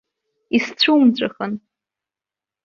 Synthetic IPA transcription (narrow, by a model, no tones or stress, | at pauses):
ist͡ɕʷʰumt͡ɕʷʼaxən